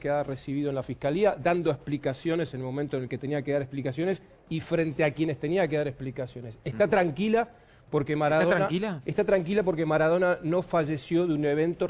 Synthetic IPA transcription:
kearesiβiðoenlafihkaliad̪and̪oesplikasjo̞ne̞senlmo̞mẽnt̪oenelket̪eniakeðaɾesplikasjo̞ne̞s | ifɾe̞nt̪eakje̞ne̞st̪e̞niake̞ðaɾesplikasjo̞ne̞sest̪at̪ɾaŋkila | po̞ɾkemaɾaðonakilaest̪at̪ɾaŋk̬ilap̬o̞ɾkemaɾað̞o̞nano̞faʒe̞sjo̞ðuneβe̞nt̪o

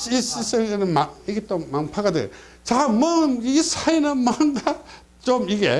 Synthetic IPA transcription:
sisisɯnɯmaiɡitɔmːaŋpʰaɡadɯ̰ | zamɯisajnamaŋɡa | t͡ʃɔmiɡḛ

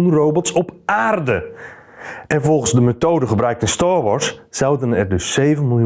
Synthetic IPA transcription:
unrowbɔtsɔpʔaːrdə | ɛ̃nvɔlˠχənzdəmetowdəχəbrœɥk̚tənstɑːɹʋɔɹsːawdənɛrdɵsːejvənmɪlˠju

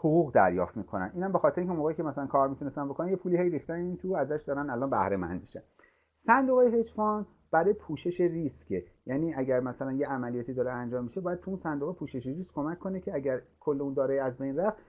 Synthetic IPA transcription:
hoɣuːɣd̪æ̰ɾjɒ̰ːft̪miːkʰo̞næ̰nʔiːnhæmbexɒːt̪eɾeiŋʲcʰʲeumoɣeiːcʰemæsælænkʰɒːɾmit̪unest̪ænbo̞kʰonænje̞pʰuːlihejɾixt̪æneiːnt̪ʰuæzæʃd̪ɒːɾænælɒːnbæhɾe̞mæ̰nd̪̚miʃæn | sænd̪oɣejehed͡ʒfɒːn | b̥æɾɒːjepʰuːʃe̞ʃeriscʰejæːniːæɟæɾmæsælænjeʔæmælijɒːt̪ʰiːd̪ɒːɾeænd͡ʒɒːmːiʃebɒːjæd̪̥̚t̪ʰuunsænd̪oɣepʰuːʃeʃeɾiskkʰːo̞mækʰːo̞necʰeæɟæɾkʰo̞lːeund̪ɒːɾeæzbejnræft̪

